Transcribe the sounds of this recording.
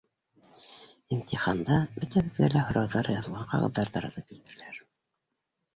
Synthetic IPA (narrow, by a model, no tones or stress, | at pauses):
int̪ʲiχɑnd̪ɑbɵt̪æβɘ̆ðɡælæhŏɾɑwðɑɾjɑðɤ̆lˠʁɑqɑ̰ʁɤ̰̆ðːɑɾðɑɾɑ̰t̪ɤp̚kilt̪ɘ̆ɾɘ̆læɾ